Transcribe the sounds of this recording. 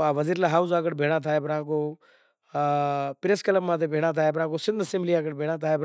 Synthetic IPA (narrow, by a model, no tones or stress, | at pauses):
aːʋəziːɾlaːɦaːuzaːkəɽbʱeːɽ̃ãːt̪ʰaːepɾãːkoː | pɾeːskələmmãːt̪ebʱeːɽ̃ãːt̪ʰaːeːpɾãːkosɪ̃nd̪ʱsɪmliaːkəɽbʱeːɽ̃ãːt̪ʰaːeːp